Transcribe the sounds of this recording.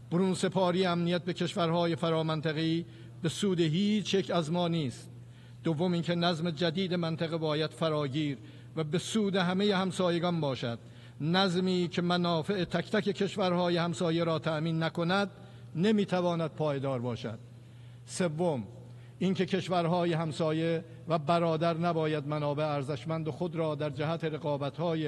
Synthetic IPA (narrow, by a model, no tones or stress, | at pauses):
b̥oɾuːnse̞pʰɒːɾiːeæmnijæt̪̚be̞cʰe̞ʃvæɾɦɒːjefæɾɒːmænt̪ʰæɣeiː | be̞suːd̪eɦiːt͡ʃʰje̞kʰæzmɒːniːst̪ | d̪̥ovːo̞miːŋkʰe̞næzmed͡ʒæd̪iːd̪emænt̪ʰæɣebɒːjæd̪̥fæɾɒːɟiːɾ | væbe̞suːd̪e̞ɦæme̞je̞hæmsɒːje̞ɡɒnbɒːʃæd̪̥ | næzmiːcʰe̞mænɒːfe̞ʔet̪ʰækt̪æke̞kʰe̞ʃvæɾhɒːjehæmsɒːje̞ɾɒːt̪ʰæʔmiːnːæko̞næd̪ | ne̞miːt̪ʰævɒːnæd̪̥̚pʰɒːje̞d̪ɒːɾbɒːʃæ̰d̪̥ | se̞vːo̞m | ʔiŋce̞kʰe̞ʃvæɾɦɒːjeɦæmsɒːje̞ | væbæɾɒːd̪æɾnæbɒːjæd̪mænɒːbe̞eæɾzeʃmænd̪oxod̪ɾɒːd̪æɾd͡ʒæɦæt̪ʰe̞ɾe̞ɣɒːbæt̪hɒːje